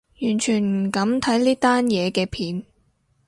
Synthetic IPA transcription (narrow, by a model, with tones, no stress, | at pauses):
jyː˨˩nt͡ʃʰyː˨˩nm̩˨˩kɐ˨˥mt̪ʰɐ˨˥jliː˥t̪aː˥njɛː˨˧kɛː˧pʰiː˨˥n